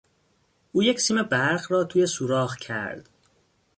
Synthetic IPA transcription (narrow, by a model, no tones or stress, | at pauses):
ʔuːjecsiːme̞bæɾɢɾɒːt̪ʰuːjesuːɾɒːɣcʰæ̰ɾd̪̥